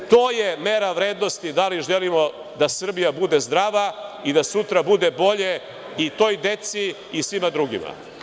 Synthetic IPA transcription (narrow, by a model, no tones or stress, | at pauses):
t̪o̞ːje̞meɾaʋɾe̞ːd̪no̞st̪id̪aliʒelimo̞ | d̪asr̩bijabud̪e̞zd̪ɾaːʋaid̪asut̪ɾabud̪ebo̞ʎe | it̪o̞ːjd̪e̞t̪siː | sʋimad̪ɾuɡḭma̰